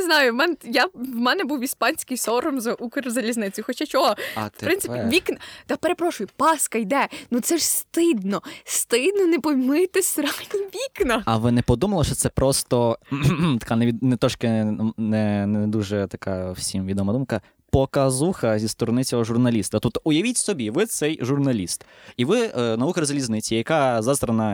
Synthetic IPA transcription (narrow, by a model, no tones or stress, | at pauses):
nɪznɑjʊmɛnjaʋmɛnɛbuwispɑnʲsʲkɪjsɔɾɔmzɐʔukɪɾʲzɐlʲiznɪt͡sʲjʊxɔt͡ʃat͡ʃɔɦɔpɾɪnsɪpʲiʋʲiknɐt̪ɑpeɾe̞pɾɔʃʊjʊpɑskɐjd̪ɛnut̪sɛʂst̪ɪd̪nɔst̪ɪd̪̚nɔnepɔjmɪt̪ɪsʲɾɑnʋʲiknɐɐʋɪnɛpɔd̪umɐlˠɔʃt͡ʃɔt̪sɛpɾɔst̪ɔ | t̪ɐ̥kanɛʋʲinɛt̪ɾɔʃkɪnɛnɛd̪uʒɛt̪ɐkɑwsʲimʋʲid̪ɔmɐd̪umkɐ | pɔkɐzuxɐzʲist̪ɔɾɔnɪt͡sʲɔɦɔʒʊrnɐlʲist̪ɐt̪ut̪ʊjɐʋʲitʲsɔbʲiʋɪt̪sɛjʒurnɐlʲist̪iʋɪnɐukɐzɐlʲiznɪt͡sʲijɐkazɑzt̪ɾɐnɐ